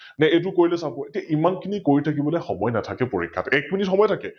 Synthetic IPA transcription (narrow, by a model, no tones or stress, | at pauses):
nɛet̬ʊkoɹilɛsabɔ̃etijaʔimankʰinikoɹitʰak̬ibɔlɛxɔmɔjnatʰakɛpoɹḭkʰːa̰tɛk̚minitxɔmɔjtʰakɛ